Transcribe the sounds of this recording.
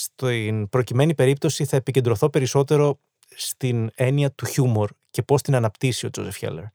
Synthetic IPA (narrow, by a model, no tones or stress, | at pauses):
st̪inpɾo̞cime̞nipe̞ɾip̚t̪o̞siθɐepice̞nd̪ɾo̞θo̞pe̞ɾiso̞t̪e̞ɾo̞ | st̪ine̞niɐt̪uçumo̞ɾce̞po̞st̪inɐnɐpt̪isio̞d͡zo̞̰zefçḛlḛɾ